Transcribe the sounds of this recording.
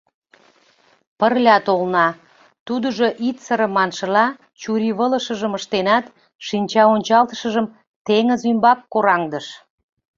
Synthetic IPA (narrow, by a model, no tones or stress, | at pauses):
pərlʲɑt̪olnɑ | t̪ud̪əʒoʔit̪səɾə̆mɑnʃəlɑ | t͡ɕuɾiβələʃə̆ʒəməʃt̪enɑt̪ | ʃinʲt͡ɕɑonʲt͡ɕɑlt̪ə̥ʃə̆ʒəm | t̪eŋəzymbɑkːoɾɑŋd̪əʃ